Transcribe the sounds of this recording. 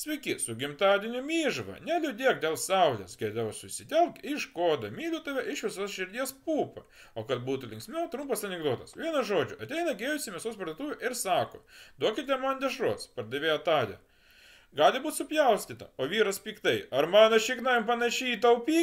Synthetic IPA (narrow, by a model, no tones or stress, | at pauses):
sʲʋʲɛɪkʲɪsʊɡʲɪmt̪ɑːd̪ʲɪnʲʊmʲiːʒʋɐ̰nʲɛlʲʊd̪ʲiɛk̚d̪ʲeːlˠsɐʊlʲḛsɡʲɛd̪ɐʋsʊsʲɪd̪ʲɛlˠk̚tʲɪʃkoːd̪ɐmʲiːlʲʊt̪ɐʋʲɛʔɪʃʋʲɪsoːsʃʲɪɾʲd̪ʲiɛspuːpɐ | oːkɐt̪̚buːt̪ʊlʲɪŋksʲmʲɛt̪ɾʊmpɐsɐnʲɛɡd̪oːt̪ɐsʋʲiɛnɐsʒoːd͡ʒʲʊʔɐt̪ʲɛɪnɐɡʲeːjʊsʲɪmʲɛsoːspɐrd̪uːt̪uːʋʲʊʔɪɾsɑːko̰ːd̪uɔkʲɪt̪ʲɛmɐnd̪ʲɛʃɾuɔspɐrd̪ɐʋʲeːjɐt̪ɑːd̪ʲɛ̰ | ɡɑːlʲɪbuːt̪sʊpʲjɛʊsʲtʲit̪ɐ̰oːʋʲiːɾɐspʲiːkt̪ɐɪɐɾmɑːnɐʃʲiːknɐmpɐnɐʃʲɛit̪ɐʊpʲiː